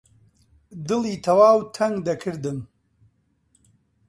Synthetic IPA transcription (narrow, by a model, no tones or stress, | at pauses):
d̪ɨlˠiːt̪ʰɐwaːwt̪ʰɐŋd̪ɐkʰɨɾd̪ɨm